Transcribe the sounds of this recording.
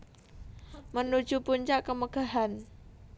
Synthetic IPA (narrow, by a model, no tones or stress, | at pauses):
mənud̥ʒ̥upuɲt͡ʃaʔkəməɡ̥a̤ɦan